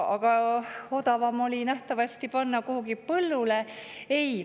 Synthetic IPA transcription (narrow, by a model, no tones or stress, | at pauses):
ɑɡ̥ɑo̞d̪̥ɑvɑmo̞lʲinæht̪ɑvɑsʲt̪ipɑnːɑkuhuɡipɤlːule̞ej